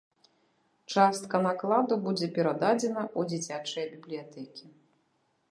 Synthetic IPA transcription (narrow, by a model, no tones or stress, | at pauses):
t͡ʂast̪kɐnaklˠad̪ubud͡zʲɛpʲɛɾad̪ad͡zʲɛnɐʔud͡zʲit͡sʲat͡ʂɐjɐbʲiblʲijat̪ɛkʲi